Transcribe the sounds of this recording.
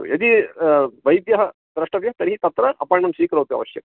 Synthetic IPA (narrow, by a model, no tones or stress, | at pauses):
ṵjɐd̪i | ʋɐjd̪jɐɦɐ | d̪ɾɐʂʈɐʋjɐɦɐt̪ɐɾiɦit̪ɐt̪ɾɐʔɐ̰paːɳɐmsiːkɾɐʋt̪iɐ̰ʋɐʃjɐm